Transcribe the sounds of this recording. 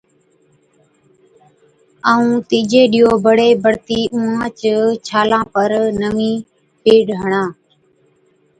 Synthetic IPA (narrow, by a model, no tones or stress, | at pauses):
aːũːt̪iːd͡ʒeːɗɪːoːbəɽeːbəɽt̪iːʔũːãːt͡ʃət͡ʃʰaːlãːpəɾnəʋĩː | peːɖɦəɳãː